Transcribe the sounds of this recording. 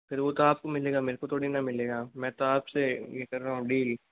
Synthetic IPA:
pʰɪɾʋot̪oaːp̚komɪleːɡaːmeːɾekot̪ʰoːɽinɐmɪleːɡaːmɛ̃ːt̪oaːpsejekɐɾːaːũɖiːl

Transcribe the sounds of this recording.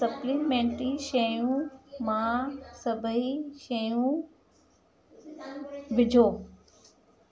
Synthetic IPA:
sɐplimẽːɳʈiʃejũmãsɐbʱəiʃejũ | bɪd͡ʑʱoː

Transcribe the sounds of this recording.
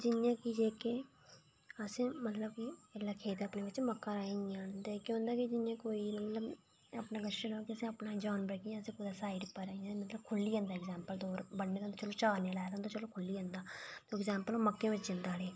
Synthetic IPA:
d͡ʒɪnɪjãːkid͡ʒeːke | əsẽːmət̪ləbiɛlaːkʰeːt̪əpneːʋɪt͡ʃməkːaːɾaːẽnãːnd̪akjõːnd̪aːkid͡ʒɪnjãːkoːimət̪ləb | əpnaɡəənoːkiəsẽəpnãːd͡ʒaːnbɾəkiãsẽːpʊd̪aːsaːɪɖpːəɾajãmət̪ləbkʰʊlːiːə̃ːnd̪aːɛɡzɛːmpəld̪oːɾbəɽːeːd̪t̪ot͡ʃəloːt͡ʃaːneːlɛːd̪nd̪oːt͡ʃəloːkʰʊlːiːə̃nd̪aːt̪oːɛɡzaːmpəloːməkːẽːʋɪt͡ʃd͡ʒɪ̃nd̪aːɽeː

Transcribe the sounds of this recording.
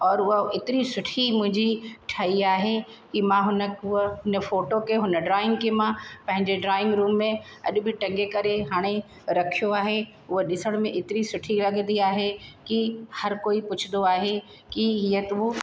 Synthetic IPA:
ɔːɾʊɦɪt̪ɪɾisʊʈʰimʊ̃ɦɪ̃ɲd͡ʑiʈʰaiaːɦekimãɦʊnəʊɦʊnəfoːʈokeɦʊnəɖɾaːɪ̃ŋɡkemãpɐ̃ɦɪ̃ɲd͡ʑeɖɾaːɪ̃ŋɡɾuːmːẽɐ̰ʄʊ̆bɪʈɐ̃ŋɡekɐɾeɦaːɽ̃e | ɾɐkʰijoaːɦe | ʊɦeɗɪsəɽ̃mẽʔɪt̪ɪɾisʊʈʰilɐɡnd̪iaːɦekihɐɾkoːipʊt͡ɕʰɪnd̪oaːɦe | kiɦiːət̪u

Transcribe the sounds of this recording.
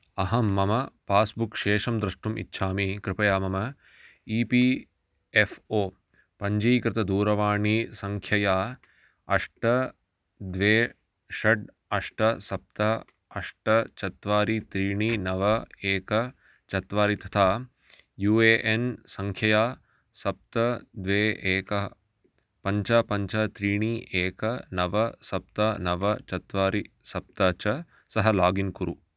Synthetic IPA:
ɐɦɐmːɐmɐpaːsbukʃeːʂɐmd̪ɾɐʂʈumʔḭtːʃʰaːmikɾɪpɐjaːmɐmɐ | iːpi | efoː | pɐɲd͡ʒɐjkɾɪt̪ɐd̪uːɾɐʋaːɳisɐŋkʰjɐjaː | ɐʂʈɐ | d̪ʋeː | ʂɐɖ | ɐʂʈɐsɐp̚t̪ɐ | ɐʂʈɐt͡ʃɐt̪ʋaːɾit̪ɾiːɳiːnɐʋɐeːkɐ | t͡ʃɐt̪ʋaːɾit̪ɐt̪ʰaː | juːeːʔensɐŋkʰjɐjaː | sɐp̚t̪ɐd̪ʋeːʔeːkɐɦɐ | pɐɲt͡ʃapɐɲt͡ʃɐt̪ɾiːɳiːʔeːkɐnɐʋɐsɐp̚t̪ɐnɐʋɐt͡ʃɐt̪ʋaːɾi | sɐp̚t̪ɐt͡ʃɐ | sɐɦɐlaːɡinkuɾʔu

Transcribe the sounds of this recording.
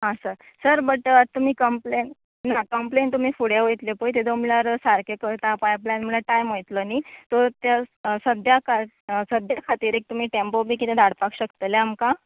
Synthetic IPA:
ɦãsəɾ | səɾbəʈt̪ːum̤iːkəmplenː | akəmpleɳt̪um̤iːfuɽjaʋojt̪lepojt̪ed̪omilaɾsaɾkekəɾt̪apajplanm̤əlaʈajmojt̪ləniːt̪ot̪jasəd̪ʱjakʰa | səd̪ʱjakʰat̪iːɾek̚t̪um̤iːʈempobʱiːkit̪ed̪ʱaɽpakɕəkt̪əleamka

